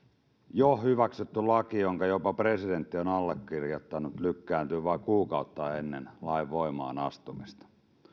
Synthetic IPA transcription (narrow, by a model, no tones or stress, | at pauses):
johhyʋæksyt̪ːylɑkijoŋkɑjopɑpre̞sident̪ːionɑlːekːirjot̪ːɑnut̪lykːæːnt̪yːʋɑikuːkɑut̪ːɑːenːḛnlɑiʋːo̞imɑ̰ːnɑst̪umist̪ɑ̥